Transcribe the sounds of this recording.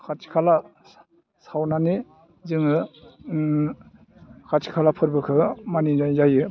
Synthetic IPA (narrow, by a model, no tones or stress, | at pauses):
kʰatʰi̥kʰala | sawnani | zɯŋɯ | kʰat͡ʃʰi̥kʰalapʰɯɾbɯkʰɯmanizajzajɯ